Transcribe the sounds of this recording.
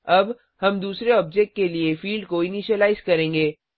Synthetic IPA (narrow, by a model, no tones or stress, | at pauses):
ɐb | hɐmd̪uːsɾeɔːb̚d͡ʒek̚ʈ̚keliefiːlɖkoɪniʃəlaːɪzkɐɾẽːŋɡeː